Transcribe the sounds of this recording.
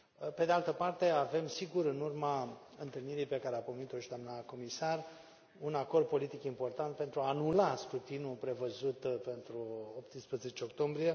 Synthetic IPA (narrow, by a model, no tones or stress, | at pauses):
pe̞d̪ealt̪əpart̪e̞ave̞msiɡuɾɨnurma | ɨnt̪ɨlniɾijpe̞kaɾeapomenit̪o̞ʃid̪oamnəko̞misar | unako̞rd̪̚po̞lit̪ikimpo̞rt̪ant̪̚pent̪ɾuaːnulaskɾut̪inupɾe̞vəzut̪pe̞nt̪ɾuopt̪ɨnspɾeze̞t͡ʃeokt̪o̞mbɾije̞